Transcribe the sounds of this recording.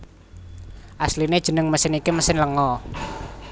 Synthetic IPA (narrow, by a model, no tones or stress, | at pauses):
ʔaslined̥ʒ̥ə̤nəŋməsɪnikiməsɪnləŋɔ